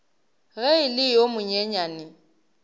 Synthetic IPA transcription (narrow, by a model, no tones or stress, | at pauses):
ɣɛɪlɪjomʊɲɛɲaːnɪ